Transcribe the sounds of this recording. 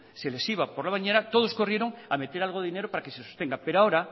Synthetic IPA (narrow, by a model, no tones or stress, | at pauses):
sele̞siβ̞apoɾlaβaɲeɾat̪o̞ð̞o̞sko̞rjeɾo̞ŋame̞t̪e̞ɾalɣoðeine̞ɾopaɾakesesost̪e̞ŋɡape̞ɾoaoɾa